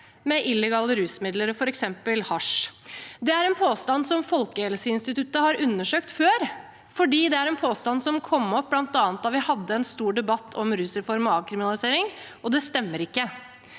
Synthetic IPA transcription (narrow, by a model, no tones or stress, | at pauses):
mɛʔɪlːɛɡɑːləɾʉːsmɪd̪ləɾfɔɾɛksɛmpəlhɑʂ | d̪ɛæɾɛnpʰoːst̪ɑnsɔmfɔlkəhɛlsəɪnst̪ɪt̪ʉt̪ːəhɑɾʉnːəʂøːk̚t̪føːɾ | fɔɖiːd̪ɛæɾɛnpʰoːst̪ɑnsɔmkʰɔmːɔp̚ːblɑnt̪ɑːnət̪d̪ɑʋɪhɑd̪ːəɛnst̪uːɖɛbɑt̪ʰːɔmɾʉːsəɾfɔɾmɔɑːʋkʰɾɪmɪnɑlɪseːɾɪŋʔɔd̪ɛst̪ɛmːəɾɪkːə